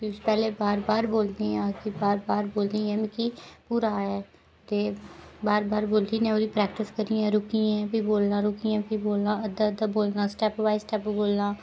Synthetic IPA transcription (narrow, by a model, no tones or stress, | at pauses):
kipɛːleːbaːɾbaːɾboːld̪iːãːkɪbaːɾbaːɾboːld̪iːɛ̃ːmɪ̃kiːpuːɾaːɛː | t̪eːbaːɾbaːɾboːliːnẽːoːd̪iːpɾɛːkʈɪskəɾiːãːɾʊkiɛ̃ːpiːboːlnãːɾʊkiːãːpiːboːlãːəd̪ad̪aːboːlnãːsʈɛːpʋaːisʈɛːpboːlnãː